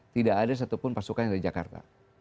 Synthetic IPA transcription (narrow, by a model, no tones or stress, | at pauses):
t̪idaʔːdas̬at̪upʊnpasukanaɾid͡ʒaka̰rt̪a̰